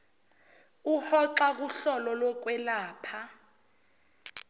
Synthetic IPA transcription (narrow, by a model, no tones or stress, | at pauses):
uhɔǁak̬uɬɔlɔlwɔk̬wɛlaːpʰa